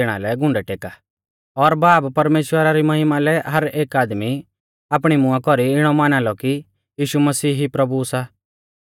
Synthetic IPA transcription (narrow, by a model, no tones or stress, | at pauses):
eɽ̃a̰lɛɡʱʊ̃ɳɖɛʈeːka | ɔɾbaːppɐɾmeːʃwəɾaɾimɐɦɪmalɛɦɐɾeːkaːd̪mi | aːp̬ɽ̃imʊakɔɾiɪɽ̃ɔmaːnalɔki | jiːʃumɐsiːɦipɾɐbusa